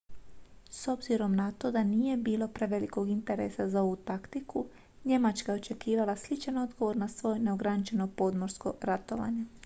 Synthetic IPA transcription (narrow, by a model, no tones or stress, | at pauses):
so̞bziɾo̞mnat̪o̞d̪anije̞biːlo̞pɾe̞ʋe̞liko̞ɡint̪e̞ɾe̞̰sazao̞ʋut̪akt̪ikʰu | ɲe̞mat͡ʃkajeo̞t͡ʃe̞kiːʋalaslit͡ʃano̞d̪ɡo̞ʋo̞ɾnasʋo̞ːjne̞o̞ɡɾanit͡ʃe̞no̞po̞d̪moɾsko̞ɾat̪o̞ʋa̰ːɲe̞